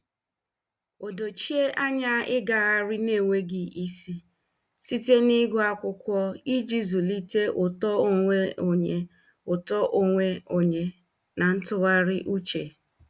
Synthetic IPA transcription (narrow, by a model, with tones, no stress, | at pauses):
o˨do˨t͡ʃi˦e˦ʔa˦ɲa˦ɪ˦ɡa˨ɣa˦ɾɪ˦ne˦˨ŋʷe˦ɡɪ˨i˦si˦ | si˦te˦ni˦ɡʊ˦a˦kʷʊ˦kʷɔ˦i˦d͡ʒi˦zu˨li˦te˦ʔʊ˨tɔ˦o˦˨ŋʷe˦o˨ɲe˨ | ʊ˨tɔ˦ʔo˦ŋʷe˦o˨ɲe˨ | na˨n̩˦tʊ˦ɣa˦ɾɪ˦ʔu˦t͡ʃe˨